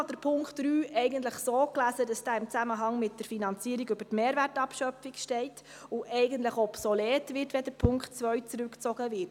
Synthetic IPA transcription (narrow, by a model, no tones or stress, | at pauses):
ɑd̥əɾpʰʊŋkχtd̥ɾyːɛɪɡəntləχsoːklæːsədɑsd̥æːɪmt͡sæməɦɑŋmɪt̚d̥əɾfinɑnt͡siəɾiɡʏb̥ətmeːɾværtɑpʃœpfikʃtɛɪt | ʊʔɛɪɡəntləχɔpsɔlɛːtʋɪrtʋɛdəɾpʰʊŋkχtt͡sʋœɥt͡sɾʉkt͡sɔɡəʋɪt